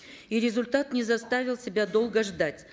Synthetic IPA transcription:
iɾʲɪzʊlʲt̪at̪nʲɪzɐst̪avʲɪlˠsʲɪbʲad̪o̞lˠɡəʐd̪atʲ

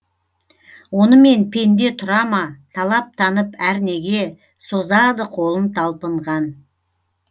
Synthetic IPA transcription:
wo̞nəme̞npʰe̞nd̪e̞t̪ʰʊɾɑmɑt̪ʰɑlˠɑp̚t̪ʰɑnəpæɾne̞ɡʲe̞ | sozɑd̪əqʰo̞lˠənt̪ʰɑlˠpəɴʁɑn

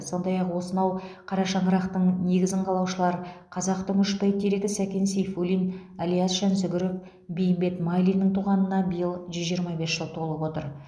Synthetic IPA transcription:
so̞nd̪ɑjɑqwo̞sənɑwqʰɑɾɑʃɑɴəɾɑqt̪əɴne̞ɡʲɪzɪɴqʰɑlˠɑwʃəlˠɑɾəqʰɑzɑqt̪əmʏʃp̪ɑjt̪ʰeɾeɡʲɪsækʲe̞nsejfulʲijnalʲijasʃænsʏɡʲʏɾɪf̚ | bejɪmbe̞t̪mɑjlijnːɪɴt̪ʰuʁɑnənɑbɪjəlˠʒʏzʒijəɾmɑbe̞sʒ̥əlˠt̪ʰo̞lˠəpwo̞t̪əɾ

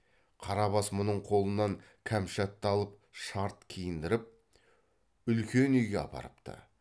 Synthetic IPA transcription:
qʰɑɾɑbɑsmʊnəɴqʰo̞lˠənɑŋ | kʲʰæmʃɑt̪ːɑlˠəpʃɑɾt̪kʲʰijɪnd̪ɪɾəp̚ | ʏlkʲe̞nʏjɡʲeɑ̰pʰɑ̰ɾəpt̪ə̰

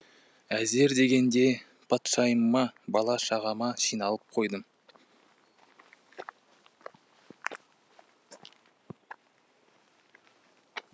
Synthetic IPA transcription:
æze̞ɾd̪e̞ɡʲe̞nd̪e̞ | pʰɑt̪ʃɑjəmːɑbɑlˠɑʃɑʁɑmɑʃijnɑlˠəp̚qʰo̞jd̪əm

